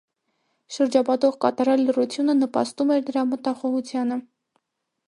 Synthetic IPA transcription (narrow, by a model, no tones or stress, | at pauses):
ʃəɾd͡ʒɑpɑt̪ɔʁkɑt̪ɑɾɑlːərut͡sʰjunənəpɑ̰st̪umɛɾd̪əɾɑmət̪ɑχɔʁut͡sʰjɑnə